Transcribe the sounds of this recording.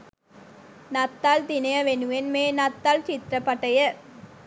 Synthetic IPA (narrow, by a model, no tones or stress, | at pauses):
nɐt̪ːald̪inɐjɐʋenuʋenmeːnɐt̪ːalt͡ʃit̪ɾɐpɐʈɐjə